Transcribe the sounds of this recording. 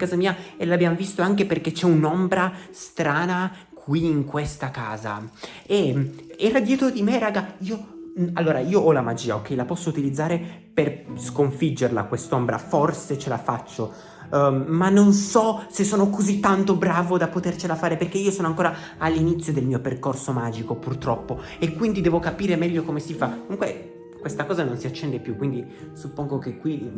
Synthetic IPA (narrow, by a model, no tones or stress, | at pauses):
kaːzamiːaelabjamovist̪oaŋkeperket͡ʃɛunombɾast̪ɾaːna | kʰwiːŋkwest̪akaːza̰ | eɛɾad̪jɛt̪ɾod̪imeraːɡaiːoalːoːɾaiːoɔlamad͡ʒiːao̰kːɛjlapɔsːout̪ilid̪zːaːɾe | perskoɱfid͡ʒːerla̰kwest̪ombɾa̰forset͡ʃela̰fat͡ʃːo | manːonsɔsesːoːnokozit̪ːant̪obɾaːvod̪apot̪ert͡ʃelafaːɾeperkeiːosoːnoaŋkoːɾa | alːinit̪sːjod̪elmiːoperkorsomaːd͡ʒikopurt̪ɾɔpːo | ekːwind̪id̪ɛːvokapiːɾemɛʎːokomesifakomuŋkwe | kwest̪akɔːzanonsiat͡ʃːɛnd̪epjukːwind̪i | supːoŋɡokekːwi